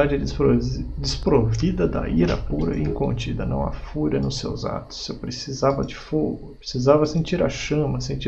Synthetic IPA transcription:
ad͡ʒ | d͡ʒɪspɾovid̪ɐd̪ɐ̰iɾɐ̰puɾɐ̰ʔĩkõnt͡ʃid̪ɐnɐ̰̃w̃ɐ̰fuɾɐnʊsḛwza̰t̪ʊ̥sːepɾesizavɐd͡ʒɪfoɡʊpɾesizavɐsẽnt͡ʃiɾɐ̰ʃɐ̃mɐsẽnt͡ʃi

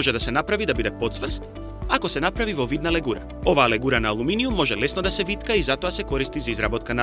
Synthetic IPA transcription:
ʒɛd̪asɛnapɾavid̪abid̪ɛpɔt̪svr̩st̪ | akɔsɛnapɾavivɔvid̪nalɛɡuɾa | ovaːlɛɡuɾanaːlˠuminijumːɔʒɛlɛsnɔd̪asɛvit̪kaizat̪ɔasɛkɔɾist̪izaizɾabɔt̪kana

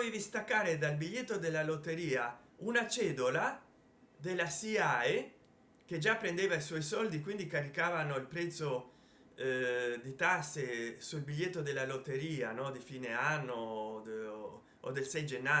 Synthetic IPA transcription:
ɔjd̪ist̪akːaːɾed̪albiʎːet̪ːod̪elːalot̪ːeɾiːaunat͡ʃɛːd̪ola | d̪elːasiae | k̟ed͡ʒapːɾend̪eːvaiswɔjsɔld̪ikwind̪ikaɾikaːvanoilpɾɛt̪sːo | d̪it̪asːesulbiʎːet̪ːod̪elːalot̪ːeɾiːanɔd̪ifiːneanːo | od̪elsɛjd͡ʒenːa

